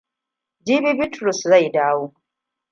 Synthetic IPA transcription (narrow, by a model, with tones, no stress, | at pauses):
d͡ʒiː˦bi˦bɪ˦tɾu˨sza˦˨jdaː˦woː˦